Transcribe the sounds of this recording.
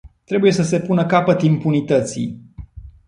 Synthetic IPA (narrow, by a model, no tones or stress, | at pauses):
t̪ɾe̞buje̞səse̞punəkapət̪impunit̪ət̪sḭj